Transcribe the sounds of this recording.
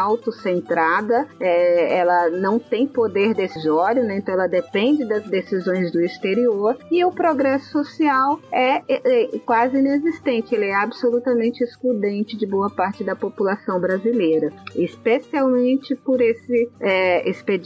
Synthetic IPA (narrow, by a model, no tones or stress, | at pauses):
awt̪ʊsẽnt̪ɾad̪ɐɛɛlɐnɐ̃w̃t̪ẽj̃pod̪eɾd̪esizɔɾjʊnɛ̃ẽnt̪ɐ̃w̃ɛlɐd̪epẽnd͡ʒɪd̪ɐzd̪esizõj̃zd̪ʊist̪eɾioɾɪʊpɾoɡɾɛsʊ̥sosiawɛɛkwazɪĩnezist̪ẽnt͡ʃɪelɪɛabsolut̪ɐmẽnt͡ʃɪesklud̪ẽnt͡ʃɪd͡ʒɪboɐpaɾt͡ʃɪd̪ɐpopulasɐ̃w̃bɾazilejɾɐɪspesiawmẽnt͡ʃɪpoɾesɪɛesped͡ʒ